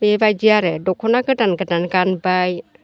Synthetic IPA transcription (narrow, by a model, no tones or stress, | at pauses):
bebajd͡ʒiaɾɯdɔkʰɔnaɡɯdanɡɯdanɡanbaj